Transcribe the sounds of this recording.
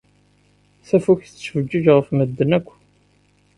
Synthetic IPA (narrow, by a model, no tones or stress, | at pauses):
θæfuçθt͡sːsvəd͡ʒːiʒʁəfməd̪ːənækʷː